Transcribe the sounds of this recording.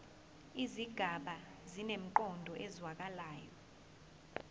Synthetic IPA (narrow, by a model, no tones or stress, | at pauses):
iziɡ̥ʱaɓazinem̩ǃɔndʱɔʔɛzwak̬alaːjɔ